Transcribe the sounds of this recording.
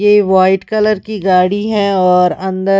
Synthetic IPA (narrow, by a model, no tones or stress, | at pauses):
jeʋaːɪʈkɐləɾkiɡaːɽiɦɛ̃ɔːɾɐ̃nd̪ə